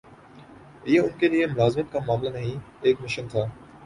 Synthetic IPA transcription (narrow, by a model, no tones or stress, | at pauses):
ɪɦaʊnkeliemʊlaːzɪmət̪̚kamaːmlanaɦĩ | eːkmɪʃənt̪ʰaː